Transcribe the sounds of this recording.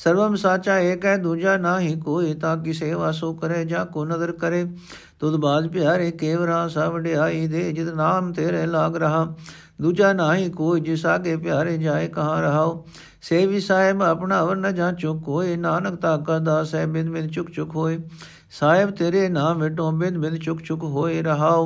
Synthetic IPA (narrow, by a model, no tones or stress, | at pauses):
səɾʋəmsaːt͡ʃaːeːkɛːd̪uːd͡ʒaːnãːɦĩːkoːiːt̪ãːk̬ɪseːʋaːsoːkəɾeːd͡ʒãːkoːnəzəɾkəɾeː | t̪oːd̪baːd̪pɪjaːɾeːkeːʋəɾãːsaːʋəɖeːaːiːd̪eːd͡ʒɪt̪naːmt̪eːɾeːlaːɡɾəɦãː | d̪uːd͡ʒaːnaːɦĩːkoːiːd͡ʒɪsaːkeːpɪjaːɾeːd͡ʒaːeːkəɦãːɾəɦaːoː | seːʋiːsaːɪbəpnaːʋəɾnəd͡ʒãːt͡ʃʊkɦoːeːnaːnəkt̪aːkəɾd̪aːsɛːbɪ̃d̪bɪ̃nd̪t͡ʃʊkt͡ʃʊkɦoːeː | saːɪbt̪eːɾeːnaːmʋeːʈːõːbɪd̪bɪ̃d̪t͡ʃʊkt͡ʃʊkɦoːeːɾəɦaːoː